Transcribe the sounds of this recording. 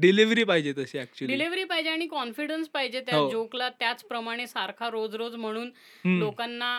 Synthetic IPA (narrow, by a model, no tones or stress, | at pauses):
ɖiliʋɾiːpaɦid͡ʑet̪əseækt͡ɕuəɖiliʋɾiːpajd͡ʑeaɽ̃ikɔnfiɽənspaɦid͡ʑet̪jaaod͡ʑoklat̪jat͡spɾəmaɽ̃esaɾkʰaɾod͡zɾod͡zm̤əɽ̃uːn | lokanːa